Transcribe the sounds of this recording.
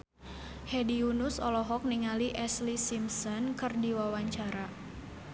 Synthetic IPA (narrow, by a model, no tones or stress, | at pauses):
hɛdiunʊsɔlɔɦɔk̚niŋaliʔɛslisimsɔnkɨrdiwawaɲt͡ʃaɾa